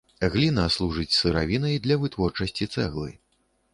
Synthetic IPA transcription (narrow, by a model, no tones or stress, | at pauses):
ɣlʲinaslˠuʐɨt͡sʲsɨɾa̰vʲinɐjd̪lʲɐvɨt̪vɔrt͡ʂɐsʲt͡sʲit̪sɛ̰ɣlˠɨ̰